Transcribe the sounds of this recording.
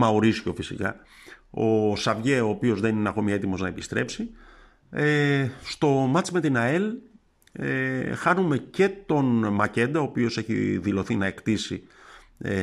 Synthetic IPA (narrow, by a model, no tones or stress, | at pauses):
mɐoɾisço̞fisikɐ̰ | o̞sɐvʝe̞o̞ːpio̞zðe̞nineɐko̞miɐet̪imo̞znɐepist̪ɾe̞psi | est̪o̞mɐt͡sme̞t̪inɐe̞l | exɐnume̞ce̞t̪o̞nmɐce̞nd̪ɐoːpio̞se̞çḭðilo̞θinɐe̞kt̪isi